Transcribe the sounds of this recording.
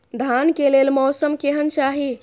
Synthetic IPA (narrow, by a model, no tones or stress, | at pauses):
d̪ʱankelelmɔsəmkeɦənt͡ʃaɦi